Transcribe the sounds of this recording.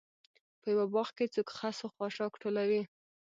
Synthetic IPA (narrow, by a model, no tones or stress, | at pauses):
pəjawabɑxket͡sokxasoxwɑʃɑkʈʰolawi